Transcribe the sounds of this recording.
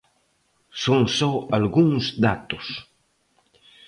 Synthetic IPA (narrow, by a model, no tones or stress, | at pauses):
soŋsɔalɡuŋzd̪at̪ʊs